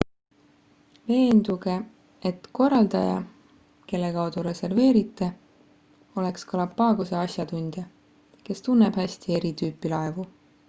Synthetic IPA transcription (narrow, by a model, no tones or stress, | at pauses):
ve̞ːnd̪̥uɡ̥e̞ | et̪ko̞rːɑld̪ɑ̰jɑ̰ | ke̞lːe̞kɑwd̪̥uɾe̞se̞rve̞ːɾit̪ːˑe̞ | o̞le̞kskɑlɑpːɑːɡ̥use̞ɑsjɑt̪und̪̥jɑ | ke̞st̪unːeb̥hæsʲt̪ie̞ɾit̪yːpːˑilɑe̞vu